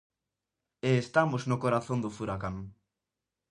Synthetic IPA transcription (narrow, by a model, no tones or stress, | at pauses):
eːst̪amoznʊkoɾaθõnd̪ʊfuɾakaŋ